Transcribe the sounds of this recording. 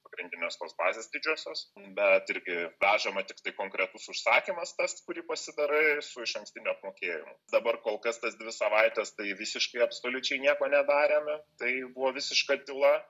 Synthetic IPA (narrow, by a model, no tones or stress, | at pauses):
pɐɡɾʲɪnʲd̪ʲɪnʲeːst̪oːsbɑːzʲeːsd̪ʲɪd͡ʒʲuɔsʲoːsbʲɛt̪ɪɾʲɡʲɪʋʲæːʒɐmɐt̪ʲɪkt̪ɐɪkoːŋkɾʲɛt̪ʊsʊʃsɑːkʲimɐst̪ɐskʊɾʲiːpɐsʲɪd̪ɐɾɐɪsʊɪʃɐ̃ŋksʲt̪ʲɪnʲʊɐpmoːkʲeːjɪ̰mʊ̰d̪ɐbɐrkoːlˠkɐst̪ɐsd̪ʲʋʲɪsɐʋɐɪt̪ʲɛst̪ɐɪʋʲɪsʲɪʃkɐɪɐpsoːlʲʊt͡ʃʲɛɪnʲiɛkoːnʲɛd̪ɑːɾʲeːmʲɪt̪ɐɪbʊʋoːʋʲɪsʲɪʃkɐd̪ʲɪlˠɐ